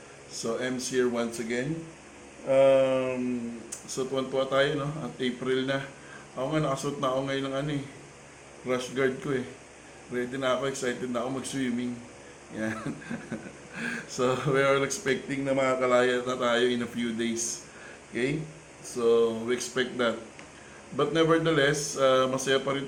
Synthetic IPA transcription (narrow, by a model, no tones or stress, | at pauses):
so̞ʔɛmsiɹwansɐɡɛn | ʔamsot̪ʊwɐnt̪uhat̪aːjono̞ɐt̪ʔejpɾɪlnɐ | ʔɐkoŋanɐkɐsot̪̚nɐko̞ŋɐjonːɐŋʔɐno̞ɛ | ɾaʃɡaɹd̪̚koɛ | wɛd̪ɪnɐɐko̞ɛksajt̪ɛd̪̚nɐko̞mɐɡswimɪŋ | jan | so̞wɛɹalɛkspɛk̚t̪ɪŋnɐmɐŋakɐlaːjɐnɐt̪aːjo̞ʔɪnɐfjud̪ejs | okej | so̞wiɛkspɛk̚t̪̚d̪ɐt̪̚ | bɐt̪̚nɛvɛɹd̪ɐlɛsamɐsɐjapɐɾɪn